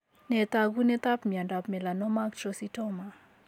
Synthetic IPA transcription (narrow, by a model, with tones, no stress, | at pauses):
nɛ˨t̪a˦ɡu˦nɛ˦t̪a˦pmia˨nda˨pmɛ˨la˨nɔ˦ma˦k̚t͡ʃɔsi˦tɔma